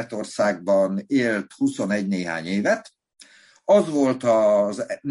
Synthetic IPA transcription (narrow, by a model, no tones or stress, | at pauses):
ɛt̪o̞rsaːɡ̚bɒneːlt̪huso̞nɛɟneːɦa̰ːɲeːvɛt̪ | ɒzʋo̞lt̪ɒzn